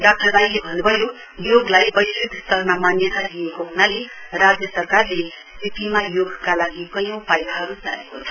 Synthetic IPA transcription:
ɖak̚ʈʌbajlebʱʌnubʱʌjo | joɡlajbʌjsid̪ʱst̪ʌrmamanjʌt̪alijekoɦunalerad͡zjʌsʌrkarle | sip̪imajoɡkalaɡikʌjõw̃pajd̪aɦʌɾud͡zaekot͡sʰʌ̥

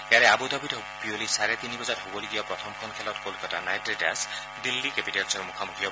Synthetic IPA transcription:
eaɾeabud̪ɔbit | biolisaɾet̪inibɔd͡ʒaɾɦobɔliɡijɔpɾɔt̪ʰɔmkʰɔnkʰelɔt̪kolkɔtanajʈɾeʈa̰s | dilːikepiʈelsɔɾmukʰamukʰijɔ

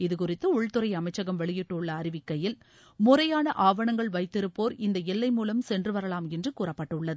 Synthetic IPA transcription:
ɪðɯkʊrɪt̪ːɯʊɭt̪ɯɾɐɪɐmɐɪt͡ʃːɐɣɐmʋɛɭɪjɪʈːɯʊɭːɐːɾɪʋɪkːɐjɪl | mʊrɐjaːnɐʔaːʋɐɳɐŋɡɐɭʋɐɪt̪ːɪɾɯpːoːɾɪnd̪ɐɛlːɐɪmuːlɐmsɛndrɯʋɐɾɐɭaːmɛndrɯkuːrɐpːɐʈːɐʊɭːɐðɯ

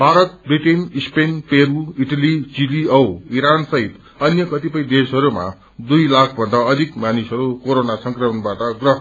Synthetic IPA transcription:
bʱaɾʌt̪̚briʈenispenpeɾuiʈʌlit͡siliʌwiɾansʌɦit̪ | ʌnjʌkʌt̪ipʌjd̪esɦʌɾuma̰ | d̪ujlakʰbʱʌnd̪aʌd̪ʱikmanisɦʌɾukoɾonasʌŋkrʌmʌnbaʈʌɡrʌɦ

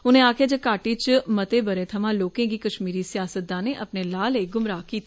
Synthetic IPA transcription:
ʊnẽːaːkʰjaːd͡ʒəkaːʈiːt͡ʃmət̪eːbəɾẽːt̪ʰəmãːloːkẽːɡiːkəʃmiːɾiːsɪjaːsət̪̚d̪ãːneːʔəpneːlaːleːɡʊmɾaːkiːt̪i

